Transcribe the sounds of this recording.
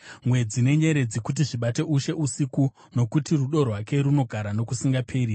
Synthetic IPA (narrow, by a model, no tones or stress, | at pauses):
mwe̞d͡zine̞ɲe̞ɾe̞d͡zikut̬iʐiɓate̞ʔuʃe̞ʔusiku | no̞kutiruɗo̞rwake̞ɾuno̞ɡʱaɾano̞kusiŋɡapʰe̞ːɾi